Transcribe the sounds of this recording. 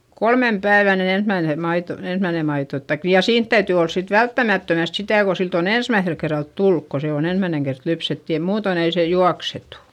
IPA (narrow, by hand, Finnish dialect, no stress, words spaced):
kolmem pæiʋæn ni ensmæine mɑito ensmæine mɑito tɑik jɑ siːnt tæytyˑ ols sit ʋæltːæmætːømæst sitæˑ ko silt on ensmæiθel kerːɑlt tulːuk ko se on ensmæineŋ kert lypset jɑ muːton ei seˑ juɑksetu